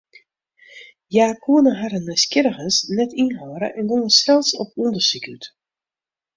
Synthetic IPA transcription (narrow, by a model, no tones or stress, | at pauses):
jaːkʰuənəɦaɾənɛskɪɾəɣəsnɛtinɦɔːɾə̰ʔɛnɡonəsɛlˠsɔpundərsikyt